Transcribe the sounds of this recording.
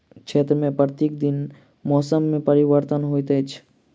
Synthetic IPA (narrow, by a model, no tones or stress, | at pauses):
kʃʰeːt̪ɾəmẽpɾət̪iːk̚d̪in | mɔːsəmːẽpəɾiʋəɾt̪ənɦojt̪ət͡ʃʰ